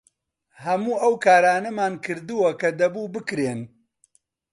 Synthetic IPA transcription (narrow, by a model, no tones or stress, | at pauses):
hɐmuːʔɐwkʰaːɾaːnɐmaːnkʰɨɾd̪uwɐkɐd̪ɐbuːbɨkɾeːn